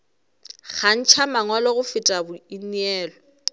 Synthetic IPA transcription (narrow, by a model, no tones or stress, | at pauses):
k͡xʰan̩t͡ʃʰamaŋwɔlɔɣʊfɪtʼabʊinɛːlɔ